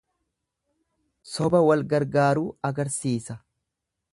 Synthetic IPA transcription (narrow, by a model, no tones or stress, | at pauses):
sɔbɐwɐlɡɐɾɡaːɾuːɐɡɐɾsiːsɐ